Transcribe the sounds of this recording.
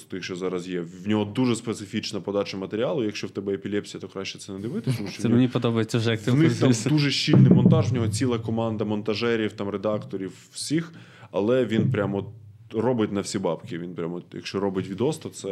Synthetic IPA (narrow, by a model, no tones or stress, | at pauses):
t̪ɪxt͡ʃɔzɑɾɐzjɛwnʲɔɦɔd̪uʒɛspet̪sɪfʲit͡ʃnɐpɔd̪ɑt͡ʃɐmɐt̪eɾʲialˠʊjɐkʃt͡ʃɔwt̪ɛbɛepʲilʲɛpʲsʲijɐt̪ɔkɾaʃʲt͡ʃːɛt̪sɛnɛd̪ɪʋɪt̪ɪt̪ɔmuʃt͡ʃɔwmnʲipɔd̪ɔbɐjet͡sʲːɐwʐɛk̪namd̪uʒɛʃʲt͡ʃːilʲnɪjmɔnt̪ɑʒwnʲɔɦɔt͡sʲilˠɐkɔmɑnd̪ɐmɔnt̪ɐʒɛɾʲiwt̪ɑmred̪ɑkt̪ɔɾʲiw | sʲix | ɐlˠɛʋʲinpɾʲamɔ | rɔbɪtʲnɐwsʲibɑpkʲɪʋʲinpɾʲamɔjɐ̰kʃʲt͡ʃɔɾɔbɪtʲʋʲid̪ɔst̪ɐt̪sɛ